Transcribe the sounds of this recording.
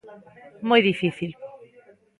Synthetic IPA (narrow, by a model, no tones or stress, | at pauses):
mojðifiθil